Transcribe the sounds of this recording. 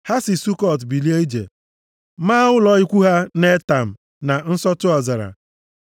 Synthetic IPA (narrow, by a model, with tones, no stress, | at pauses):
ha˦sɪ˨su˦kɔ˦˨tbi˨li˦e˦i˦d͡ʒḛ˨ | ma˦ɣʊ˦lɔ˦ɪ˦kʷu˦ɦa˦ne˦ta˨m̩˨ | na˨n̩˦sɔ˦tʊ˦ɔ˨za˨ɾa̰˨